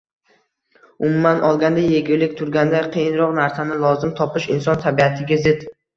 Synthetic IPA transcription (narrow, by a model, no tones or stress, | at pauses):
ʊmumanʔɒlˠɡʲand̪ajeɡʲɪlɪkʲt̪ʰʊɾɡʲand̪aqʰejɪnɾɒqnaɾsanɪlˠɒzɪmt̪ʰɒpɪʃɪnsɒnt̪ʰabiat̪ʰɪɡʲazɪt̪